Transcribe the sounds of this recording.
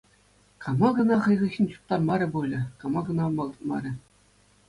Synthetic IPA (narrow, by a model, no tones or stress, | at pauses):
kɑmɑɡɤ̆nɑχɤ̆jʁɤ̆xʲinʲt͡ɕu̥p̚t̪ɑrmɑɾʲɘ̆bulʲɘ̆kɑmɑɡɤ̆nɑmɑ̆lˠɤ̆t̪̚mɑ̰ɾʲɘ̆